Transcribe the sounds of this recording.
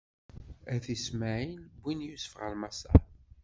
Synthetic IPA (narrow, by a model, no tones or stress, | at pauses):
æθismaʕinbːinjusfəʁə̰lmasa̰